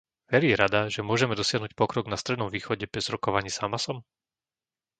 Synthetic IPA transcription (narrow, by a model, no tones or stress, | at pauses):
ʋɛɾiːɾad̪aʒɛmʊɔʒɛmɛd̪ɔsɪaɦnuːc̚pɔkɾɔɡnast̪ɾɛd̪nɔmʋiːxɔɟɛbɾɛzɾɔkɔʋaɲiːzamasɔm